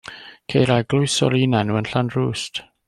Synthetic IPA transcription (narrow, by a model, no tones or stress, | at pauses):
kʰejɾaɡlˠʊjsɔ̰liːnanuənɬandruːst